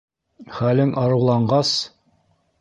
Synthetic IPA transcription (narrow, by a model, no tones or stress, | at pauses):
χælɘŋʔɑɾɤ̆wlˠɑɴɢɑs